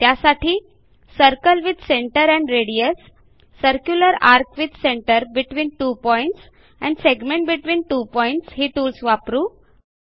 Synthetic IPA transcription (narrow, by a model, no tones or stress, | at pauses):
t̪jasaʈʰiː | səɾkəlʋid̪seɳʈəɾɛ̃ɳɖɾeɽijəsː | əɾkjuləɾaɾkʋid̪seɳʈəɾbiʈʋiːnʈupɔiɳʈs | ɛ̰̃ɳɖseɡmẽɳʈ̚biʈʋiːnʈupɔiɳʈsɦiːt̪uːlsʋapɾũː